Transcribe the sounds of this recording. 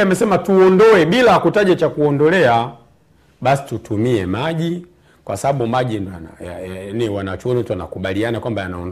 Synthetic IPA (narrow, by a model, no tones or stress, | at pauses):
amɛsɛmatuɔndɔwɛɓilakutaʄat͡ʃakuɔndɔlɛa | ɓasi̥tutumiɛmaʄi | kwasaɓaɓumaʄindananiwanat͡ʃuɔnituana̰kuɓalianakwambajanaɔn